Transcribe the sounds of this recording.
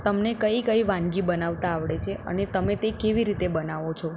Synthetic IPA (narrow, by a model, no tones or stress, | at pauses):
t̪əmnekəikəiʋãnɡibənaʋt̪aːʋɭet͡ʃʰeʔə̰net̪əmet̪ekeʋiɾit̪ebənaʋot͡ʃʰɔ